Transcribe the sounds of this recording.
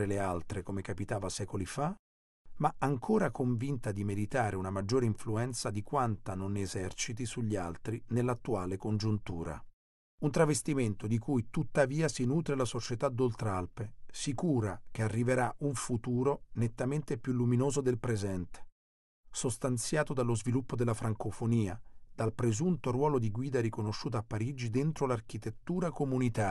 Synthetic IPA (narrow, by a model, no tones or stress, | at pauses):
ɾelealt̪ɾekomekapit̪aːvasɛːkolifa | maaŋkʰoːɾakoɱvint̪ad̪imed̪it̪aːɾʔeunamad͡ʒːoːɾeiɱfluɛnt̪sad̪ikwant̪anonezɛrt͡ʃit̪isuʎːialt̪ɾinelːat̪ːuaːlekond͡ʒunt̪ṵːɾa̰ | unt̪ɾavest̪iment̪od̪ikujt̪ut̪ːaviːasinuːt̪ɾelasot͡ʃet̪ad̪ːolt̪ɾalpesikuːɾak̟earːiveɾaʔuɱfut̪uːɾonet̪ːament̪epjulːuminoːzod̪elpɾezɛnt̪e̥ | sost̪ant̪sjaːt̪od̪alːozvilupːod̪elafɾʔaŋkofoniːad̪̥alpɾezunt̪oɾwɔːlod̪iɡwiːd̪aɾikonoʃːuːt̪oapːaɾid͡ʒid̪ent̪ɾolark̟it̪et̪ːuːɾakomunit̪aː